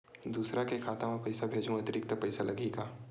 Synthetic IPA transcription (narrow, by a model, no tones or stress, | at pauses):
d̪uːsɾakekʰaːt̪ãmɛpɐjsabʱeːd͡ʒʱũɐt̪ɪɾɪk̚t̪əpɐjsalɐɡiːkaː